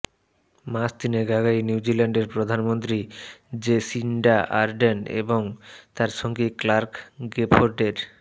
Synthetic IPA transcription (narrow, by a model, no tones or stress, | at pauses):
mast̪ineɡaɡajniud͡ʑilaɳɖeɾpɾod̪ʱanmont̪ɾid͡ʑesiɳɖaʔa̰ɾɖenḛboŋt̪aɾʃoŋɡiklaɾkɡepʰoɾɖeɾ